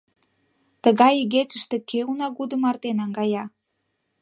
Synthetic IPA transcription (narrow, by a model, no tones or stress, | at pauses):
t̪əɣɑjiɡet͡ʃəʃt̪ekʰeunɑɡud̪əmɑrt̪enɑŋɡɑjɑ